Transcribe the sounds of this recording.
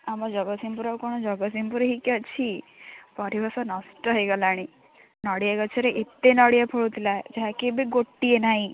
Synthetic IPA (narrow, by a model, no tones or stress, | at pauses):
amɔd͡ʒɔɡɔsimpuɾakɔɽ̃ɔd͡ʒɔɡɔs̬impuɾɦikɔt͡ʃʰipɔɾibʱɔsɔnɔsʈəɦəjɡəlaɽ̃i | nɔɽijaɡət͡ʃʰeɾeʔet̪ːenɔɽijapʰɔɭut̪ʰilaed͡ʒaɦakebiɡoʈːienaɦĩ